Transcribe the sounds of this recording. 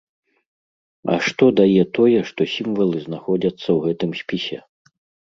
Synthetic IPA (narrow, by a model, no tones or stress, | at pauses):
ɐ̰ʂt̪ɔd̪ajɛt̪ɔjɛʂt̪ɔsʲimvɐlˠɨznaxɔd͡zʲɐt̪sːɐwɣɛt̪ɨmsʲpʲisʲɛ